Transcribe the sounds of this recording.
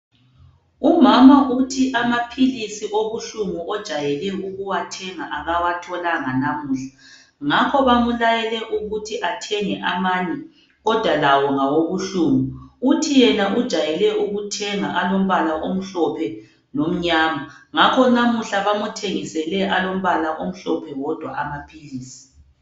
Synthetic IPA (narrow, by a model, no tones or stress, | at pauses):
umamaʔutʰiʔamapʰilisiʔoβuɬumuʔɔd̥ʒ̥ʱajɛlɛuɣuwatʰɛŋaʔaɣawatʰɔlaŋanamuːɬa | ŋakʰɔβamulajɛlɛʔuɣutʰiʔatʰɛŋɛʔamaɲɛ | ɣɔd̥ʱwalawɔŋawoβuɬuːmuutʰijɛnaʔud̥ʒ̥ʱajɛlɛʔuɣutʰɛŋaʔalom̩βalaʔom̩ɬɔpʰɛ | nom̩ɲaːmaŋakʰɔnamuɬaβamutʰeŋisɛlɛʔalom̩βalaʔom̩ɬɔpʰɛwɔd̥ʱwa̰ʔamapʰiliːsi̥